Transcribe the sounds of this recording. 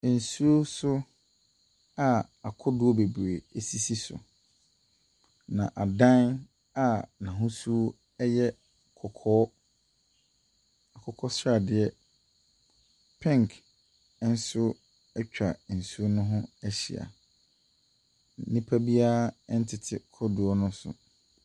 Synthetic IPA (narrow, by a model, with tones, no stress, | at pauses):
n̩˨su˦o˦sʊ˦ | a˨ | a˨kʰʊ˦dʊ˦ɔ˦be˨bu˨ɾe˨e˨si˦si˦sʊ̰˨ | nã̰˨ʔa˨dã˦n | a˨nã˨ɦʊ̃˦su˦ | ɛ˦jɛ˦ | kʰɔ˨kʰɔː˦ | a˨kʰɔ˨kʰɔ˦sɾa˨dɪ˨ɛ˦ | pʰɛ̃˦ŋkʰ | n̩˦sʊ˦ | ɛ˦t͡ɕᶣa˨n̩˨su˦nʊ̃˦ɦʊ̃˦ɛ˦ɕḭ˨a̰˨˦ | nĩ˦pʰa˦bi˦a˦n̩˦tʰɪ˨tʰɪ˦kʰʊ˦dʊ˨ɔ˦nʊ̃˦sʊ̰˨